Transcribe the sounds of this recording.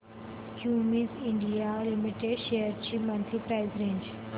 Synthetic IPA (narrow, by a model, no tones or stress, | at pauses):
kjuːmizɪ̃ɳɖijalimiʈeɖʃejəɾt͡ɕiːmə̃nt̪ʰipɾaɪzɾẽːɲd͡ʑ